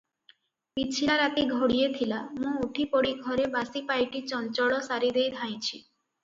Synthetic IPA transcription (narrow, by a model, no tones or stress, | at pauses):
pit͡ɕʰilaɾat̪iɡʱoɽijet̪ʰilamũuʈʰipɔɽiɡʱɔɾebasipajʈit͡ɕɔnt͡ʃɔɭɔsaɾid̪ejd̪ʱaj̃t͡ʃʰi